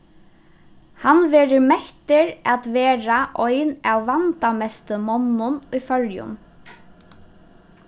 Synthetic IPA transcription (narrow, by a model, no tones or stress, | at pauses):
hanʋɛːɾɪmɛht̪ɪɾat̪ʋeːɾaʔɔjnawːant̪amɛst̪əmɔnːʊnʊjfœljʊ̰n